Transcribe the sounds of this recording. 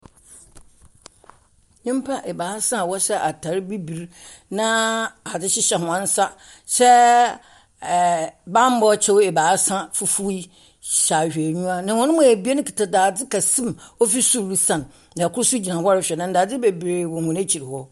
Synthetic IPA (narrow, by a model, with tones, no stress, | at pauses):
ɲĩ˦m˦pʰa˦ʔɛ˨baː˨˦sã˦˨wɔ˦ɕɛ˦ʔa˨tʰa˨ɾbi˦bi˨ɾ | nã˦a˨d͡zɪ˦ɕɪ˦ɕɛ˨ɦʊ̃˨ã˦n̩˦sa˦ | ɕɛ˦˨ | bã˦m˦bɔ˦t͡ɕʰɛ˦wɛ˨baː˨˦sã˦fu˨fu˦i˦ | ɕa˨ɕᶣe˨ɲũ˦a˦nã˨hɔ̃˦nʊ̃˦mũ˦˨æ˨bi˦e˦nʊ̃˦kʰi˨tʰa˨daː˨d͡zɪ˦kʰa˨sĩ˦mɔ˦fi˦su˦ɾɾi˦sã˨n | dkʰʊ˦ɾsu˦d͡ʑi˨nã˨hɔ˦ɾɪ˦˨ɕᶣɛ˨nʊ̃˦n˦daː˨d͡zɪ˦be˨bɾe˨wɔ̃˨hʊ̃˨ne˦t͡ɕʰi˨ɾɪ˨hɔ˦